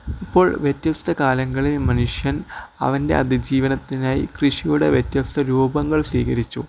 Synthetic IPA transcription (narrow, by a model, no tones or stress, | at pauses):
ipːo̞ːɭʋjet̪ːjɐst̪ʰɐkaːlɐŋːɐɭilmɐnuʂjɐnɐ̰ʋɐnde̞̰ɐd̪ʱid͡ʑiːʋɐnɐt̪ːinaːjḭkrɨʂijuɽe̞̰ʋjetjɐst̪ʰɐɾuːbɐŋːɐɭsiːkɐɾit͡ɕːṵ